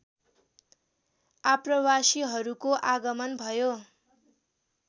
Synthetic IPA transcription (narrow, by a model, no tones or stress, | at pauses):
aprʌwasiɦʌɾukoʔaɡʌmʌnbʱʌjo